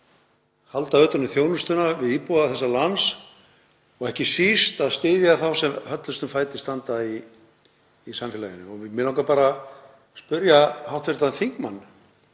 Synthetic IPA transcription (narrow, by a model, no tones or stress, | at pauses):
halt̪aœːt̪ʏnʏθjoːwnʏst̪ʏnavɪðiːpuwaθɛsːalans | ɔɣɛhcɪsist̪aðst̪ɪːðjaθawsɛmhœt̪lʏst̪ʏmfaːjt̪ɪst̪ant̪ai | samfjɛla̰jɪnːʏɔɣvɪmɪnawkapaːɾa | spʏɾjahawht̪fɪɾt̪anθiŋkmanː